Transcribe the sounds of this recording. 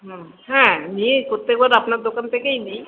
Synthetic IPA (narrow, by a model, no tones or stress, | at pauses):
ɦhɛ̃niekoɾt̪ːek̚baɾapnaɾd̪okant̪ʰekeinij